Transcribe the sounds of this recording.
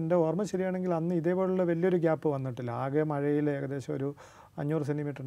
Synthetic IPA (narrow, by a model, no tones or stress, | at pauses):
ndeormɐɕɐɾijaːɳe̞ŋɡilɐnːɨiðepːo̞ːɭuɭːɐʋɐlːijo̞ɾuɡaːpːɨʋɐnːiʈːilːɐaːɣemɐɻɐjile̞ːɣɐðe̞ːɕɐmoɾu | ɐɲːuːrs̬enimiːʈːɐɳ